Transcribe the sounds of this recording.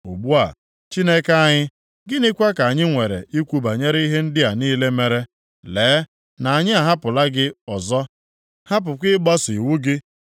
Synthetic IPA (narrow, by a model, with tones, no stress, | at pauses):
o˨bu˦a̰˨ | t͡ʃi˦ne˦ka˨ɲɪ˦ | ɡɪ˦nɪ˦kʷa˦ka˨a˨ɲɪ˦ŋʷe˨ɾḛ˨ʔi˦kʷu˦ba˨ɲe˦ɾi˦ɦe˦n̩˦dɪ˦a˨niː˦le˦me˨ɾe˦ | leː˨˦ | na˨a˨ɲɪ˦a˨ɦa˦pʊ˨la˦ɡɪ˦ɔ˨zɔ˦ | ha˦p̬ʊ˨kʷɪ˦ɡ͡bɔ˦si˨wu˦ɡɪ˦